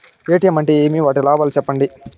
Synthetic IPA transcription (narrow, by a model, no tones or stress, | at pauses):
eːʈijɐmɐɳʈeeːmiʋaːʈilaːbɐːlt͡ʃɛpːɐɳɖi